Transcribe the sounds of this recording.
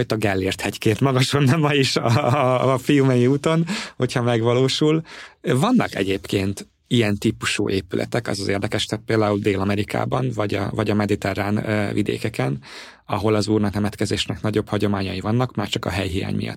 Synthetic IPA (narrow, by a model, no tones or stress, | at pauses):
ot̪ɒɡɛlːeːrt̪hɛckeːnt̪mɒɡɒʃonːɒmmɒjiʃ | fijumɛjiuːt̪o̞nho̞chɒmɛɡvɒloːʃulvɒnːɒkɛ̰ɟeːpkeːnt̪ | ijɛnt̪ipuʃṵːʔeːpylʔɛ̰t̪ɛkɒ̰zɒzeːrd̪ɛkɛʃt̪ɛt̪̚peːld̪aːuld̪eːlɒmɛɾikʰa̰ːbɒnvɒɟɒ̰vɒɟɒmɛd̪it̪ɛrːaːnvid̪ḛːkɛkɛn | ɒɦo̞lɒzuːrnɒknɛmɛt̪kɛzeːʃnɛknɒɟo̞phɒɟo̞maːɲɒjivɒnːɒkmaːrt͡ʃɒkɒ̰ɦɛjɦija̰ːɲmḭjɒ̰t̪ː